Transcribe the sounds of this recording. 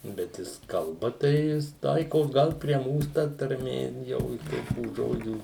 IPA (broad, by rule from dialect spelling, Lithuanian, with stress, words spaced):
bʲɛt ˈjɪs kɐlˠˈbɐ tɐɪ ˈjɪs ˈtɐɪkoːs ˈɡɐlˠ pʲrʲiɛ ˈmuːs tɐ tɐrʲˈmʲeː ˈjɛʊ ˈtoːkʲuː ˈʒoːd͡ʒʲuː